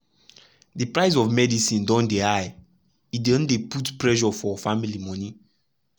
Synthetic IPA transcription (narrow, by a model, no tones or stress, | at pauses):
dipɹaɪs̬ɔvmɛdisĩndɔ̃ndeaj | idõndeputpɹɛʒɔfɔfamilimɔ̃ni